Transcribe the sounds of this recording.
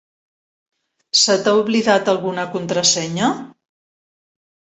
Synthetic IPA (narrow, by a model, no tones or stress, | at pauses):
sət̪auβliðat̪əlˠɣunəkunt̪ɾəsɛɲə